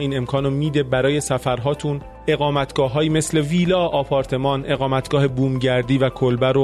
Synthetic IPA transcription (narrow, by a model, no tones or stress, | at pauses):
iːne̞mkʰɒːnomiːd̪e̞bæɾɒːje̞sæfæɾɦɒːt̪ʰun | e̞ɣɒːmæt̪ʰɡ̥ɒːɦɒːjime̞sle̞viːlɒːɒːpʰɒːɾt̪ʰe̞mɒːnʔe̞ɣɒːmæt̪ʰɡ̥ɒːhebuːmɟæɾd̪iːvækʰolbæɾo